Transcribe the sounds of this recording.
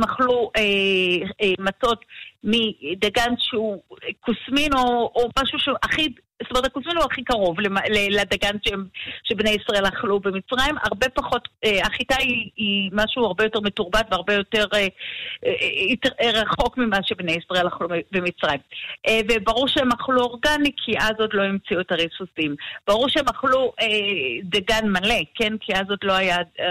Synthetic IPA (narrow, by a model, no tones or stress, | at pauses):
maχlue | mat͡so̞tmidaɡanʃeukusmino̞ːmaʃuʃeʔaχi | stometʰakusminuaχikaʁo̞vlemaleleadaɡanʃeemʃe̞bne̞jisʁae̞laχlubemit͡sʁaima̰ʁbe̞paχo̞teaχitaiːmaʃuːaʁbe̞jo̞te̞ʁme̞tuʁbatveaʁbe̞jo̞te̞ʁe | itʁaχo̞kmimaʃebnejisʁae̞laχlumebemit͡sʁajimʔevebaʁuʁʃeemaχluo̞ʁɡanikʰiʔazotlo̞imt͡siuetaʁisusimb̥aʁuʁʃeemaχluedaɡanmale̞ke̞nkʰiazotlo̞aja